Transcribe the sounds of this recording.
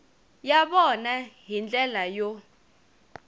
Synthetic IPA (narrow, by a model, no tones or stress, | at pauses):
jaɓɔnaɦind͡ɮʼɛlajo